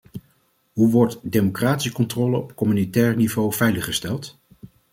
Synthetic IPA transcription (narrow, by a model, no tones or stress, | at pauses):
ɦuʋɔɹtdemokraːtsəkɔntrɔːləɔp̚kɔmynitɛːɹnivowv̥ɛjləχəstɛlˠt